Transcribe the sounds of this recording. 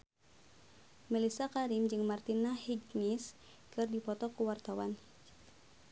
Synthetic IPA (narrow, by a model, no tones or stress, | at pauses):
milisakaɾimd͡ʒɨŋmart̪inahiɡnis | kɨrdipɔt̪ɔkuwart̪awan